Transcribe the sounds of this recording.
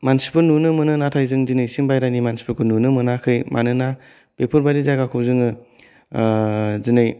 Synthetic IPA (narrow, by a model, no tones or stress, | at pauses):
mansi̥pɯɾnunɯmɯnɯnatʰajzɯŋzinɯjsiŋbajɾajnimansi̥pɯɾkʰɯɾnunɯmɯnakʰɯjmʔa̰nɯna | b̥epʰɯɾbaɾizaɡakʰɯwzɯŋɯ | zinɯj